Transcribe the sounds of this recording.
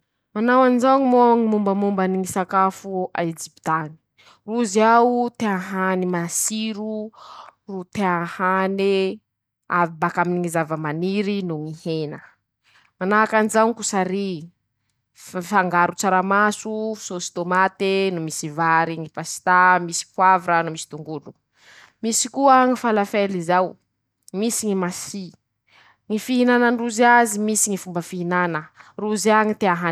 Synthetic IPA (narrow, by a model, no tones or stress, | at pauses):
manawanzaɲimoŋimumbəmumbaniŋisakafua̰ed͡ʒipit̪ani̥ | ruziawut̪eãɦanimasiɾu | rut̪eãhani | avibakaminiŋizavəmaniɾinumihenə | manaakanid͡ʒaŋikusaɾi | faŋɡaɾut͡saɾamasusosi̥t̪omat̪enumisivaɾiŋipasi̥t̪amisi̥pwavɾanumisi̥t̪uŋɡulu | misikuaŋifalafelizaw | misiŋimasi | ŋifiɦinananruziazimisiŋifumbəfiɦinanəruziaŋit̪eaɦa